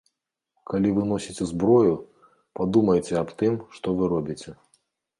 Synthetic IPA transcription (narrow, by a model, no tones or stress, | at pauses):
kalʲivɨnɔsʲit͡sʲɛzbɾɔju | pad̪umɐjt͡sʲɛapt̪ɨmʂt̪ɔvɨɾɔbʲit͡sʲɛ